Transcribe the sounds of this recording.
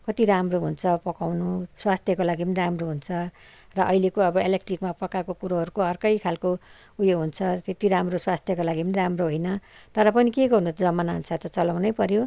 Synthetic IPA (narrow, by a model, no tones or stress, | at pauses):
kʌt̪iɾamroɦunt͡sʰʌpʌkawnuswast̪ʰjʌkolaɡipʌniramroɦunt͡sʰʌ | rʌʔʌjlekoʌbʌelekʈrikmapʌkakokuɾoɦʌɾukoʌrkʌjkʰalko | ujoɦunt͡sʰʌt̪et̪iɾamroswast̪ʰjʌkolaɡipʌniramroɦojnʌt̪ʌɾʌpʌnikeɡʌrunut͡sʰʌd͡zʌmanaɦnsʰat̪ʌt͡sʌlawnʌjpʌɾjo